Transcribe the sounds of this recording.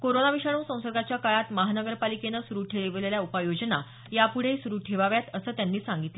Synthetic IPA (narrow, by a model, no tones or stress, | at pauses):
koɾonaʋiʂaɽ̃ũːsə̃w̃səɾɡat͡ɕjakaɭat̪məɦanəɡəɾpalikenəsuɾuːʈʰeɭeʋileljaupajod͡ʑna | japuɽ̤esuɾuːʈʰeʋaʋjat̪əsəːt̪janːiːsãŋɡit̪lə